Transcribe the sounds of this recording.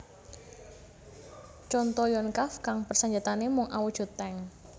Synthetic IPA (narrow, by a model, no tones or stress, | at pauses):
t͡ʃɔnt̪ɔjɔnkafkaŋpərsaɲd͡ʒat̪anemʊŋʔawud̥ʒ̥ṳt̪ːɛŋ